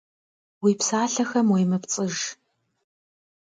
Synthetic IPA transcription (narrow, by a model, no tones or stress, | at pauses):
wiːpsaːɬɐxɐmwejmɐpt͡sʼɨʒ